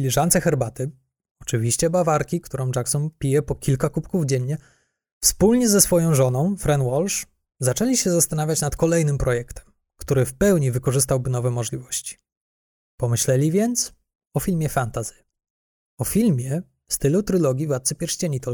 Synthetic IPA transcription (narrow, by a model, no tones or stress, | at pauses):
lʲiʐant̪sɛxɛɾbat̪ɘ | ɔt͡ʂɘvʲiɕt͡ɕɛbavaɾkʲikt̪uɾɔ̃w̃d͡ʐaksɔnpʲijɛpɔkʲʰilkakupkuvd͡ʑɛɲːɛ | fspulɲɛzɛsfɔjɔ̃w̃ʐɔnɔ̃w̃fɾɛnwɔlʂ | zat͡ʂɛlʲiɕɛzast̪anavʲjat͡ɕnat̪kɔlɛjnɘmpɾɔjɛkt̪ɛ̥m | kt̪uɾɘfpɛwɲivɘkɔʐɘst̪awbɘnɔvɛmɔʐlʲivɔɕt͡ɕi̥ | pɔmɘɕlɛlʲivʲjɛnt̪s | ɔfʲilmʲjɛfant̪azɨ | ɔfʲilmʲjɛ | fst̪ɘlut̪ɾɘlɔɡʲivat̪̚sɘpʲjɛɾɕt͡ɕeɲit̪ɔl